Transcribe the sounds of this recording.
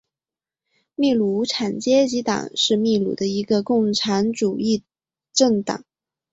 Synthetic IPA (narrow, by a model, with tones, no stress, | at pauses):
mi˥˩lu˧˩˥ʈ͡ʂʰa˨˩nt͡ɕjɛ˥t͡ɕi˧˥t̪ɑ̰˨˩˦ŋʂɻ̩˥˧mi˥˩lṵ˨˩d̪ə˦i˧˥ɡə˧kʊ˥˩ŋʈ͡ʂʰa˧˥nʈ͡ʂu˨˩i˥˧ | ʈ͡ʂɤ˥˩ŋt̪ɑ̰˨˩˦ŋ